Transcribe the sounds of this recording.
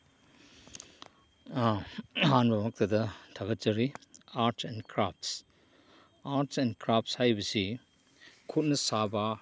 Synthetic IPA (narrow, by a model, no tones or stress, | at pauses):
hanbɐmɐk̚t̪ʰɐdɐtʰɐkɐt̚t͡ʃɐɾiaɾtɛnkɾap̚s | aɾtsɛnkɾap̚shajbɐsi | kʰut̚nɐsaba